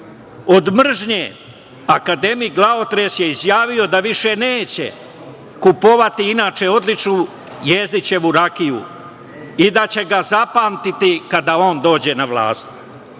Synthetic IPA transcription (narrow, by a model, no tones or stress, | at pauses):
o̞d̪mr̩ʒɲe | akad̪e̞miɡlˠao̞t̪ɾe̞sje̞izjaːʋio̞d̪aʋiʃe̞ne̞ːt͡ɕḛ | kupo̞ʋat̪iinaːt͡ʃe̞o̞d̪lit͡ʂnu | jezd̪it͡ɕe̞ʋuɾakijṵ | id̪at͡ɕe̞ɡazapaːmt̪it̪ikad̪ao̞ːnd̪o̞ːd͡ʑe̞naʋlˠa̰ːst̪